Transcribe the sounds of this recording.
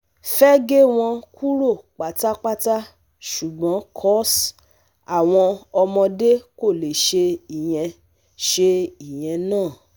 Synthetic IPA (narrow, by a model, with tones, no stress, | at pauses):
fɛ˦ɡe˦w̃ɔ̃˧ku˦ɾo˦˨k͡pa˨˦ta˦k͡pa˦ta˦ | ʃu˨ɡ͡bɔ̃˨˦kʰɔ˦s | a˨w̃ɔ̃˧ɔ˧mɔ̃˧de˦ko˦˨le˨ʃe˧i˨j̃ɛ̃˧ | ʃe˧i˨j̃ɛ̃˧nãː˦˨